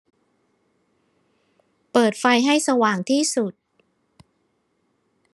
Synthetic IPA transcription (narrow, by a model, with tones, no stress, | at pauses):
pɤː˨˩t̪̚fa˧jɦa˥˩jsa˧waː˨˩ŋt̪ʰiː˥˩su˨˩t̪̚